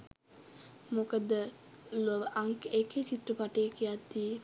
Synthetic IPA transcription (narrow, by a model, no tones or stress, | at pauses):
mokəd̪ə | loʋʔaŋkeket͡ʃit̪rəpaʈeːkijat̪d̪ie